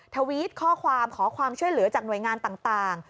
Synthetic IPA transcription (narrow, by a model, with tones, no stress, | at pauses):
t̪ʰa˧wi˦˥t̪̚kʰɔː˥˩kʰwaː˧mkʰɔː˩˦kʰwaː˧mt͡ɕʰu˥˩əjlɯ˩˦ɐt͡ɕaː˨˩k̚nu˨˩əjŋaː˧nt̪aː˨˩ŋt̪aː˨˩ŋ